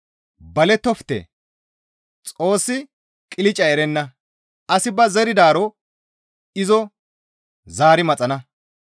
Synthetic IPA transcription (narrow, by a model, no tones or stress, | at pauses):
bɐlɛt̪ːɔft̪ɛ̰ | t͡sʼo̞ːsːɪ | kʼɪlɪt͡ʃʼɐɛɾɛnːɐ | ʔɐsɪbɐzɛɾɪd̪aːɾɔ | ɪzɔ | zaːɾɪmɐt͡sʼɐnɐ